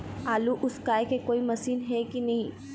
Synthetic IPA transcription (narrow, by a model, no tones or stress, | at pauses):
aːluʔʊskaːekekoːimɐsiːnɦɛkinɐɦĩː